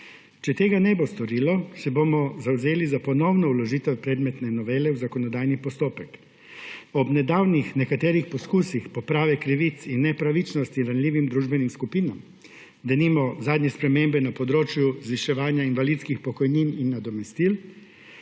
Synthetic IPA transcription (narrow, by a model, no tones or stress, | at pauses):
t͡ʃɛt̪eːɡanɛbost̪ɔɾiːlɔsɛbomɔzawzeːlizapɔnɔwnɔulɔʒiːt̪ɛwpɾɛːd̪mɛt̪nɛnɔʋeːlɛwzakɔnɔd̪aːjnipɔst̪oːpɛk | ɔbnɛd̪aːwnixnɛkat̪ɛːɾixpɔskuːsixpɔpɾaːʋɛkɾiʋit̪sinːɛpɾaʋit͡ʃnɔst̪inɾanlʲiːʋimd̪ɾuːʒbɛnimskupiːnam | d̪animɔzaːd̪nɛspɾɛmembɛnapɔd̪ɾoːt͡ʃjuzʋiʃɛʋaːnjainʋalit̪skixpɔkɔjnininːad̪ɔmɛst̪iːl